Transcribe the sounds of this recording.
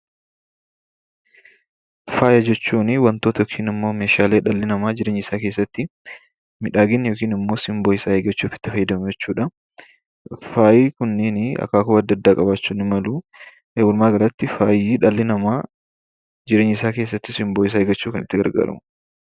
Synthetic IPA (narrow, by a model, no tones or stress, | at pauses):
faːjɐd͡ʒɛt͡ʃːuːnɪwɐnt̪oːt̪ɐjoːkʰiːnɪmːo̞ːmeːʃaːleːᶑɐlːɪnɐmaːd͡ʒɪɾeːɲɪsaːke̞ːsːɐt̪ːɪ | mɪᶑaːɡɪnjoːkiːnɪmːo̞ːsɪmboɪsaːheːɡɐt͡ʃːuːfɪ̥t̪ːɪfɐjːd̪ɐmd͡ʒɛt͡ʃːuːᶑɐ | faːjiːkʊnːɪnɪɐ̰kːaːkʊbɐd̪ːɐd̪ːaːkʼɐbaːt͡ʃːuːnɪmɐlu | eːwʊlmaːɡɐɾɐt̪ːɪfaːjiːᶑɐlːɪnɐmaː | d͡ʒɪɾeːɲɪsaːkeːs̬ːɐt̪ːɪsɪmboːɪs̬aːheːɡɐt͡ʃːuːkɐnɪt̪ːɪɡɐ̰ɾɡa̰ːɾɐ̰mʊ